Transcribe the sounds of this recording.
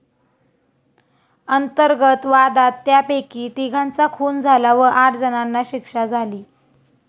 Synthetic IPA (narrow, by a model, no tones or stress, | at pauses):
ənt̪əɾɡət̪ʋad̪at̪ːjapekiːt̪iɡʱãnt͡sakʰuːnd͡zʱalaʋəʔaʈd͡zənanːaɕikʂad͡zʱaliː